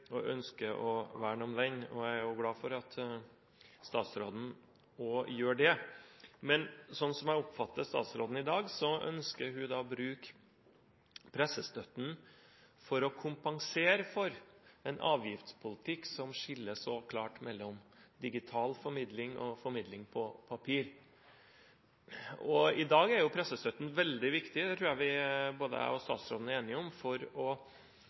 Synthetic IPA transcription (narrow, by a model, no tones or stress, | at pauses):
ɔʔœnskəʔɔʋæːɳɔmd̪ɛɲːɔæɪæɾjʊɡlɑːfɔɾɑt̪ | st̪ɑ̰ːt̪sɾoːd̪n̩ | oːjøːɖɛ | mɛnsɔnːsɔmæɪɔpfɑt̪ːəst̪ɑ̰ːt̪sɾo̰ːd̪n̩ɪd̪ɑːɡsɔʔœ̰nskəɾɦʉd̪ɑːbɾʉːk | pʰɾɛsːəst̪œt̪n̩ | fɔɾɔkʰʊmpɑŋseːɾəfɔɾɛnʔɑ̰ːʋjɪft̪spʰʊlɪt̪ʰɪksɔmʂɪlːəsɔkʰlɑːʈmɛlːɔmd̪ɪɡɪt̪ʰɑːlfɔɾmɪd̪lɪŋʔɔ̰fɔɾmɪd̪lɪŋpʰɔpʰɑpʰiːɾ | ɔɪd̪ɑːɡæɾjʊpʰɾɛsəst̪œt̪ːn̩ʋɛld̪ɪʋɪkt̪ɪd̪ɛt̪ʰɾʉːæʋɪboːd̪ə̰æ̰ɔst̪ɑ̰ːt̪sɾo̰ːd̪n̩æɾeːnɪɔmfɔɾɔ